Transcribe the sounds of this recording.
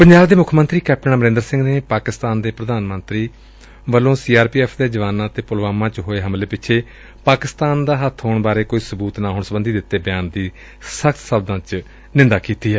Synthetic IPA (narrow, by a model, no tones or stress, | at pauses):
pəɲd͡ʒaːbd̪eːmʊkʰmənt̪ɾiːkɛːp̚ʰʈəɳãːməɾɪ̃nd̪əɾsɪ̃ŋɡneːpaːkɪst̪aːnd̪eːpɾəd̪aːnmənt̪ɾiː | ʋəlõːsiːaːɾpiːɛːpʰd̪eːd͡ʒəʋaːnãːt̪eːpʊlʋaːmãːt͡ʃɦoːeːɦəmleːpɪt͡ʃʰeː | paːkɪst̪aːnd̪aːɦət̪ʰɦoːɳbaːɾeːkoːiːsəbuːt̪naːɦoʊːɳsəbənd̪iːd̪ɪt̪ːeːbɪjaːnd̪iː | səkt̪səb̚d̪ãːt͡ʃ | nɪ̃nd̪aːkiːt̪iːɦɛː